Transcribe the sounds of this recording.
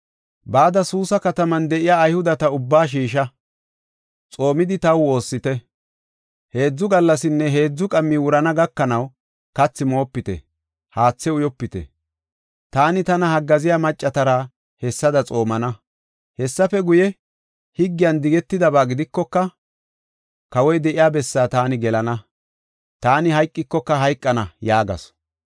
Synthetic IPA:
baːd̪ɐsuːsɐkɐt̪ɐmɐnd̪ɛʔɪjaːjhʊd̪ɐt̪ɐʊbːaːʃ̬iːʃ̬ɐ | t͡sʼo̞ːmɪd̪ɪt̪ɐwo̞ːsːɪt̪ɛ | he̞ːd͡zːʊɡɐlːɐsɪnːɛɦe̞ːd͡zːʊkʼɐmːɪwʊɾɐnɐɡɐkːɐnɐw | kɐt͡sːɪmo̞ːpːɪt̪ɛ̰ | haːt͡sːɛʊjɔpːɪt̪ɛ̰ | t̪aːnɪt̪ɐnɐhɐɡːɐzɪjaːmɐt͡ʃʼːɐt̪ɐɾa | hɛsːɐd̪ɐt͡sʼo̞ːmɐnɐ | hɛsːɐfɛɡʊjɛ | hɪɡːɪjɐnd̪ɪɡɛt̪ːɪd̪ɐbaːɡɪd̪ɪkːɔkːɐ | kɐwɔjd̪ɛʔɪjaːbɛsːaːt̪aːnɪɡɛlɐnɐ | t̪aːnɪhɐjkʼːɪkːɔkːɐɦɐjkʼːɐnɐjaːɡɐ̰s

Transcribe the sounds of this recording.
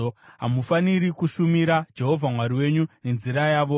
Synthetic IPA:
ɦamufaniɾikuʃumiɾad͡ʒe̞ɦo̞vʱamwaɾiwe̞ɲune̞nziɾajaːʋo̞

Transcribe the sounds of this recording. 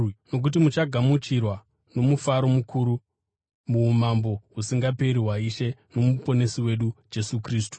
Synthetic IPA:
no̞k̬ut̬imut͡ʃaɡʱamut͡ʃirwa | no̞mufaɾo̞mukʰuɾu | muːmambo̞ɦusiŋɡape̞ɾiɦwaiʃe̞no̞mupo̞ne̞siwe̞ɗud͡ʒe̞sukriːs̬tu̥

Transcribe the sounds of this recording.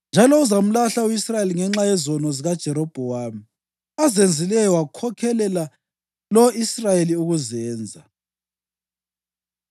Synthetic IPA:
nd͡ʒʱalɔuzam̩laɬauisrajeliŋɛŋ͡ǁajɛzɔnɔziɣad̥ʒ̥ʱɛɾɔb̥ʱɔwaːmi | azend͡zʱilɛjɔwakʰɔkʰɛlɛla | lɔisrajeliuɣuzɛːnd͡zʱa

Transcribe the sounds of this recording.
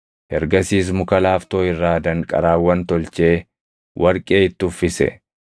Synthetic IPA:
hɛɾɡɐsiːs̬mʊkɐlaːft̪o̞ːɪrːaːd̪ɐŋkʼɐ̰ɾaːwːɐnt̪ɔlt͡ʃe̞ː | wʔɐɾkʼe̞ːɪt̪ːʊfːɪsɛ̰

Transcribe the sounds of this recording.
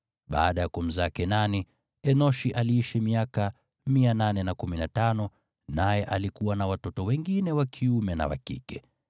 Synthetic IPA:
ɓa̰ːɗajakum̩zakɛnani | ɛnɔʃiʔaliiʃimiaka | miananɛnakuminatanɔ | najɛʔalikuwanawatɔtɔwɛŋɡinɛwakʰiumɛna̰wa̰kḭkɛ

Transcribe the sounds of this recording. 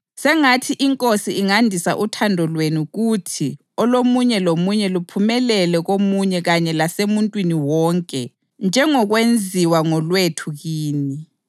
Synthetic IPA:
sɛŋatʰiʔiŋkʼosiiŋandʱisa̰ʔutʰandʱɔlwenuɣutʰi | ɔlomuɲɛlomuɲɛlupʰumɛlɛlɛɣomuɲɛɣaɲɛlasemuntʼwiniwɔːŋkʼɛ | nd͡ʒʱɛŋɔɣwend͡zʱiwaŋɔlwetʰuɣiːni

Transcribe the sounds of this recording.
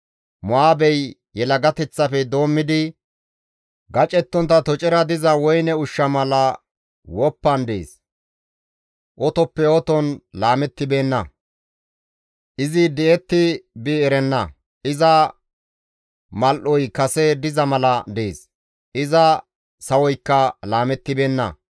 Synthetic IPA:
mɔaːbɛj | jɛlɐɡɐt̪ɛt͡sːɐfɛd̪o̞ːmːɪd̪ɪ | ɡɐt͡ʃʼɛt̪ːɔnt̪ɐt̪ɔt͡ʃʼɛɾɐd̪ɪzɐwɔjnɛʊʃːɐmɐlɐ | wɔpːɐnd̪ḛːs | ʔɔt̪ɔpːɛɔt̪ɔnlaːmɛt̪ːɪbe̞ːnːɐ̰ | ʔɪzɪd̪ɛʔɛt̪ːɪbɪɛɾɛnːɐ | ʔɪzɐ | mɐlʔɔjkɐsɛd̪ɪzɐmɐlɐd̪eːs | ʔɪzɐ | sɐwɔjkːɐlaːmɛt̪ːɪbe̞ːnːɐ̰

